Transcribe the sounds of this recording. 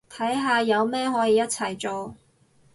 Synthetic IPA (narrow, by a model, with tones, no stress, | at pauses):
t̪ʰɐ˨˥jɦaː˧jɐ˨˧wmɛː˥ɦɔː˨˥jiː˧jɐ˥t̚t͡sʰɐ˨˩jt͡sɔ˨˧w